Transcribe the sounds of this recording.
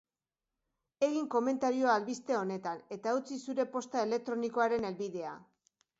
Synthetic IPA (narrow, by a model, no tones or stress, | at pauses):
e̞ɣiŋko̞me̞nt̪aɾio̞alβist̪e̞o̞ne̞t̪ane̞t̪aut͡sisuɾe̞po̞st̪ae̞le̞k̚t̪ɾo̞niko̞aɾe̞ne̞lβiðe̞a̰